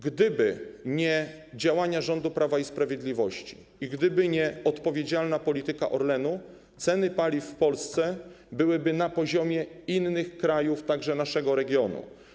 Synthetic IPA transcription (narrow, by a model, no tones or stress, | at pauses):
ɡd̪ɘbɘɲɛ | d͡ʑawaɲaʐɔnd̪upɾʔavaispɾavʲjed̪lʲivɔɕt͡ɕi̥ | iɡd̪ɘbɘɲɛɔt̪pɔvʲjed͡ʑalnapɔlʲit̪ɘka̰ʔɔɾlɛnu | t̪sɛnɘpalʲifːpɔlst̪sɛ | bɘwɘbɘnapɔʑɔmʲjɛinːɘxkɾajuft̪aɡʐɛnaʂɛɡɔɾɛɡʲjɔnṵ